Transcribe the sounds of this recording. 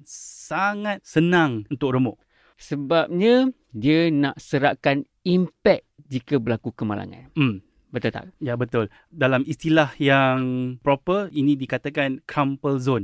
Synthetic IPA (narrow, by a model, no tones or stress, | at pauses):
saŋat̪̚sənãŋunt̪ʊk̚ɾəmʊʔ | səbap̚ɲã | dianaʔsəɾaʔkan | impɛk̚d͡ʒikabərlakukəma̰la̰ŋa̰n̩m | bət̪ət̪a̰k̚jabət̪ʊl | dalamist̪ilahjaŋpɾopərinĩdikat̪akankɾampəlzon